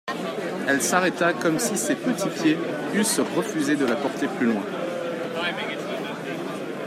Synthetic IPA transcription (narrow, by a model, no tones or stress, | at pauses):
ɛlsaʁɛt̪akɔmsisepət̪ʰipje | ysʁəfyzed̪əlapɔʁt̪eplylwɛ̃